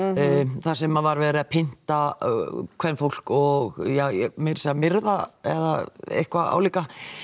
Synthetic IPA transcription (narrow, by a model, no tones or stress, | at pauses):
θasɛmavaɾvɛːɾɪðapʰɪn̥t̪a | kʰvɛɾnfowl̥kɔɣjamɪɾsɛamɪɾðaɛ̰ða̰ḛhkvaa̰wliːka